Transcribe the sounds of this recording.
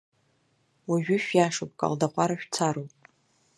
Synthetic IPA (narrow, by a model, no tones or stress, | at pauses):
waʒᶣʊʃᶣjaʂopʼkʼa̰ldaqʷʼaɾaʃᶣt͡sʰaɾopʼ